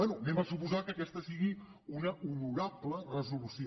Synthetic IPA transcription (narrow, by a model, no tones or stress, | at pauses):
ɛnumembasupuzakəkɛst̪əsiɣi | unəʔunuɾablərəzulusj